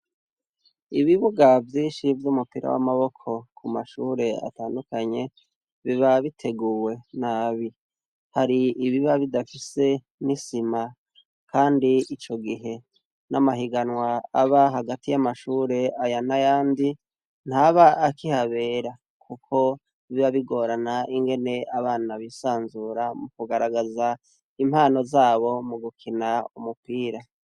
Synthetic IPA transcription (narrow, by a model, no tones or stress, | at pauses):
iβiβuɡavjiːnʃivjumupiɾa̰wa̰maβo̞kʰo̞kʰumaʃuːɾe̞a̰taːndukaɲe̞ | βiβaβitʰe̞ɡuːwe̞naβi | haɾiːβiβaβidafise̞ | nisima | kʰaːndiit͡ʃo̞ɡiɦe̞ | nʔamaɦiɡanwaaβaɦaɡatijamaʃuːɾe̞ajanajaːndi | n̥haβaʔːkihaβe̞ːɾa | kʰukʰo̞ | iβiβaβiɡo̞ɾanaʔiŋɡe̞ne̞aβaːnaβisaːnzuːɾamukuɡaɾaɡaza | im̥haːno̞zaːβo̞muɡukʰinaumupiːɾa